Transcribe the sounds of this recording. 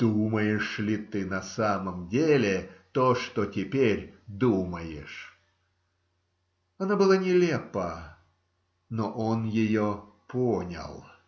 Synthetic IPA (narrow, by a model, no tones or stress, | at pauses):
d̪̥uməjɪʂlʲɪt̪ɨnɐsaməmdʲelʲɪt̪oʂt̪otʲɪpʲeɾʲd̪uməjɪʂ | ɐnabɨlˠanʲɪlʲepə | noʔonjɪjoponʲə̰lˠ